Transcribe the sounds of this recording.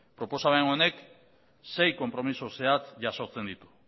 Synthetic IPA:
pɾo̞po̞saβajŋɡone̞k | se̞jko̞mpɾo̞misose̞at͡sʝaso̞t͡se̞nd̪it̪u̥

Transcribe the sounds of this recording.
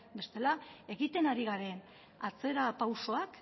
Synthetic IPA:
be̞st̪e̞lae̞ɣit̪e̞naɾiɣaɾe̞n | at͡se̞ɾapawso̞ak

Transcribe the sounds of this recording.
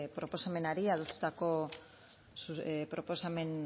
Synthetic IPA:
pɾo̞po̞same̞naɾiaðost̪u̥t̪ako̞ | supɾo̞po̞same̞n

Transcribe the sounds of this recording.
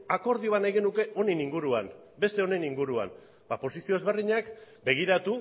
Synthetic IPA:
ako̞ɾð̞ioanajɣe̞nuke̞ʔo̞ne̞niŋɡuɾuam | be̞st̪e̞o̞ne̞niŋɡuɾua̰m | b̥apo̞sisio̞e̞zβeriɲak | be̞ɣ̞iɾat̪u

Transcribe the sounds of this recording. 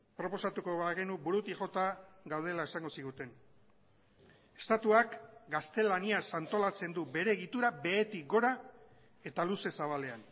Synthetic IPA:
pɾo̞po̞sat̪uko̞βaɣe̞nubuɾut̪ixo̞t̪aɣawð̞e̞lae̞saŋɡo̞siɣ̞ut̪e̞n | e̞̥st̪at̪uakɡast̪e̞laniasant̪o̞lat͡se̞nd̪ube̞ɾe̞ːɣit̪uɾabe̞ːt̪ik̚ɡo̞ɾa | e̞t̪aluse̞saβ̞ale̞an

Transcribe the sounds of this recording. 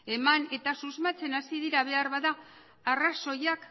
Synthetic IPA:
e̞mane̞t̪asuzmat͡se̞nasiðiɾaβ̞e̞aɾβaðaː | raso̞jak

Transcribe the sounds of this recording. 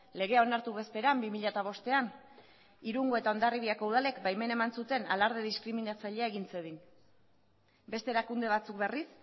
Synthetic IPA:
le̞ɣ̞e̞ao̞naɾt̪uβe̞spe̞ɾambimiʎat̪aβ̞o̞st̪e̞an | iɾuŋɡo̞e̞t̪ao̞nd̪ariβiako̞uð̞ale̞kbajme̞ne̞mansut̪e̞nalaɾð̞eðiskɾiminat͡saʎeae̞ɣint͡seðin | be̞st̪e̞ɾakund̪e̞β̞at͡suk̚be̞ris

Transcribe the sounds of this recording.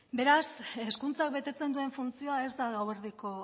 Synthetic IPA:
be̞ɾase̞skunt͡sak̚be̞t̪e̞t͡se̞nd̪ue̞ɱfunt͡sio̞ae̞zd̪aɣaweɾðiko̞

